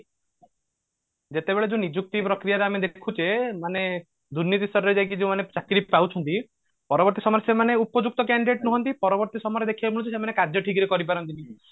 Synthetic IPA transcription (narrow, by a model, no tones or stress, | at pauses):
d͡ʒet̪ebeɭed͡ʒẽnid͡ʒuk̚t̪ipɾɔkɾijaɾeamed̪ekʰut͡ʃemane | d̪uɾnːit̪isɔɾɔɾed͡ʒajkid͡ʒeũmanet͡ʃakɾipawt͡ʃʰɔnt̪i | pɔɾɔbɔɾt̪isɔmɔɾesemaneupɔd͡ʒuk̚t̪ɔkaɳɖiɖeʈnuɦɔnt̪ipɔɾɔbɔɾt̪isɔmɔɾed̪ekʰibabʰʱɔɽɔ̃t͡ʃʰisemanekad͡ʒʱjɔʈʰikɾikɔɾipaɾɔnt̪ini